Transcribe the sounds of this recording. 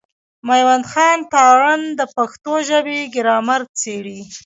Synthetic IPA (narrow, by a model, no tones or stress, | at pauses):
majwand̪xɑnt̪ɑɾand̪əpaxt̪oʒəbeɡɪɾɑmaɾt͡seɽi